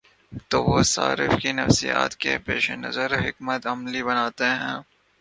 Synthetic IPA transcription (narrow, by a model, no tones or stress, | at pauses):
t̪oːʋosa̰ːɾɪfkinɐfsija̰ːt̪kepeːʃenɐ̰zəɾɦɪkmət̪ɐmlibɐnaːt̪eɦɛ̃ː